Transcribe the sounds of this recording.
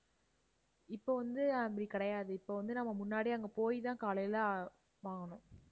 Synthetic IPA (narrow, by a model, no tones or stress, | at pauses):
ɪpːoːʋɐnd̪ɯɐbɽikɐɽɐjaːðɯɪpːoːʋɐnd̪ɯnɐmːɐmʊnːaːɽiɐŋɡɐpoːjt̪ãːkaːlɐjɪla | ʋaːŋɡɐnʊ̃